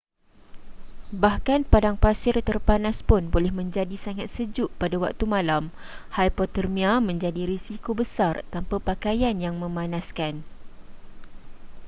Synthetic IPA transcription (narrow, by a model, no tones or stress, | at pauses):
bahkanpadaŋpasɪrt̪ərpanaspʊnbolɛhmə̃ɲd͡ʒadisaŋat̪̚səd͡ʒʊʔpadawa̰k̚t̪umãlam | hajpɔt̪ərmĩamə̃ɲd͡ʒadiɾisikobəsart̪ampapakajanjaŋmə̃mãnãskan